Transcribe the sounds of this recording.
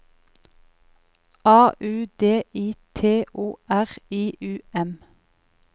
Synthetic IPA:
ɑːʔʉːd̪eːʔiːt̪ʰeːʔoːʔæʁiːʔʉːɛm

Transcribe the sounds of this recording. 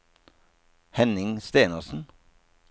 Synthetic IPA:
hɛnɪŋst̪eːnəʁsn̩

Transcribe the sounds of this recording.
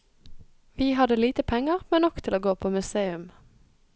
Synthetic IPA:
ʋiːhɑd̪əliːt̪əpʰɛŋəʁmeːnɔkt̪ʰɪloːɡoːpʰoːmʉseːʉm

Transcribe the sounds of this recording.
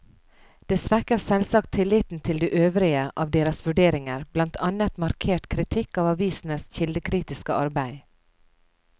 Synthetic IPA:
d̪̥eːsʋækəɾsɛlsɑk̚t̪ʰːɪlːɪt̪n̩t̪ʰɪld̪eːʔøːʋɾɪəʔɑːʋd̪eːɾɑsʋʉɖeːɾɪŋəɾb̥lɑnt̪ʰɑnət̪mɑɾkʰeːʈkʰɾɪt̪ʰɪkɑːʋɑʋiːsn̩əsçɪld̪əkʰɾiːt̪ɪskəʔɑɾbæɪ

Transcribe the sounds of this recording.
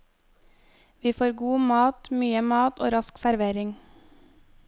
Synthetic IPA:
ʋiːfoːɾɡuːmɑːt̪myːəmɑːt̪o̰ːɾɑsksæɾʋeːɾɪŋ

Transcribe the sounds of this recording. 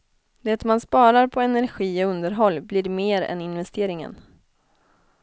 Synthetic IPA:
d̪eːt̪manspɑːɾaɾpʰɔɛnæɾɧiːɔɵnd̪əɾɦɔlːblɪɾmeːɾɛ̰nɪnvɛst̪ʰeːɾɪŋə̰n

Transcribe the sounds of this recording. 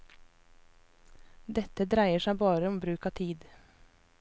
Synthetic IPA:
d̪ɛt̪əd̪ɾæɪəʃæɪbɑːɾəɔmbɾʉːkɑːt̪ʰiːd̪

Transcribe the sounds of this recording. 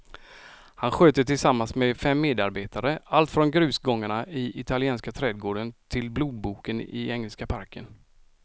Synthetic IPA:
hanɧøːt̪ət̪ʰɪlsamːansmɛfɛmːeːd̪aɾbeːt̪aɾəalt̪fɾɔnɡɾʉ̟ːsɡɔŋːaɳaɪʔɪt̪ʰalɪɛːnskat̪ʰɾɛːd̪̚ɡoːɖənt̪ʰɪlbluːd̪̚buːkənɪ̰ɛŋːɛlskapʰaɾkʰə̰n

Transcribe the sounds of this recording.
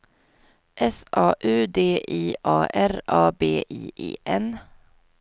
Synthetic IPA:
ʔɛsʔɑːʔʉ̟ːd̪eːʔiːʔɑːʔæɾɑːbeːʔiːʔḛːʔɛn

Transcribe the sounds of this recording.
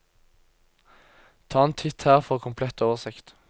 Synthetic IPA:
t̪ʰɑːent̪ʰɪt̪hæːʁfɔʁkʰʊmpʰlɛt̪oːʋəʁsɪkt̪

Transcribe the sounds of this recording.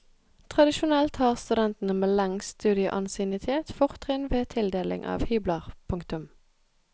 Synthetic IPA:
t̪ʰʁɑd̪ɪʃʊnɛlt̪hɑːʁst̪ʉd̪ɛnt̪n̩əmeːlɛŋst̪ʉːd̪ɪə̰ʔɑnsɪnɪt̪ʰeːt̪fʊʁt̪hɪnʋeːt̪ʰɪld̪eːlɪ̰ŋʔɑ̰ːʋhyːbləʁpʰʊŋkt̪ʉm

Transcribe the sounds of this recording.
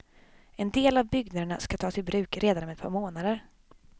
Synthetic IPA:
ɛnd̪eːlavbʏɡnad̪əɳaskat̪ʰɑːt̪ʰɪlbɾʉ̟ːkɾʔeːd̪anɔmɛt̪̚pʰɑːɾmoːnad̪əɾ

